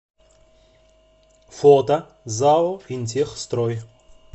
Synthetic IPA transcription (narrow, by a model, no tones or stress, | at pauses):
fot̪ɐ | zaɔint̪ʲexst̪ɾoj